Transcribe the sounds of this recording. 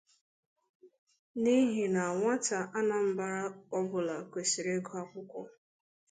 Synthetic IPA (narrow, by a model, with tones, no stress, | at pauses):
ni˦ɦi˨na˨ŋʷa˦ta˨ʔa˦na˨m̩˦ba˦ɾa˦ɔ˦bʊ˨la˨kʷe˨si˨ɾe˦ɡo˦a˦kʊ˦kʷɔ˦